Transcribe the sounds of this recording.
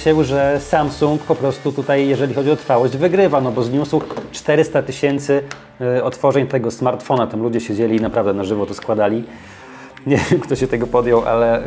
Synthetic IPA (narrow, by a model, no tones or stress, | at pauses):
ɕɛwʐɛsamsuŋkpɔpɾɔst̪ut̪ut̪ajjɛʐɛlʲixɔd͡ʑiɔt̪ɾfawɔʑd͡ʑvɘɡɾɘvanɔbɔzɲuswt͡ʂt̪ɛɾɘst̪at̪ɘɕɛnt̪sɘ | ɔt̪fɔʐɛɲt̪ɛɡɔsmaɾt̪fɔnat̪amlud͡ʑɛɕed͡ʑelʲinapɾavd̪ɛnaʐɘvɔt̪ɔskwad̪alʲi | ɲɛvʲɛmkt̪ɔɕɛt̪ɛɡɔpɔd̪jɔwʔa̰lɛ